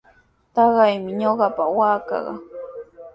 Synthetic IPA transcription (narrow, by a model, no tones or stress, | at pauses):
t̪ɑɢɑjmɪɲoɢɑpawaːkɑ̰ɢɑ̰